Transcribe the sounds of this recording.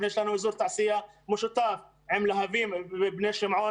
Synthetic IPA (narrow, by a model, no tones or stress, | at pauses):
eːʃlanawɪzuːɾt̪aʕsɪjːamʊʃɪt̪ˤɑːf | ʕɪmlaɦaviːmbneːʃɪmʕuː